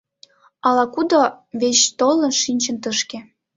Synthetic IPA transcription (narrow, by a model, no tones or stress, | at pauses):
ɑlɑkud̪oβet͡ɕt̪olə̆nʃinʲt͡ɕə̆nt̪əʃkĕ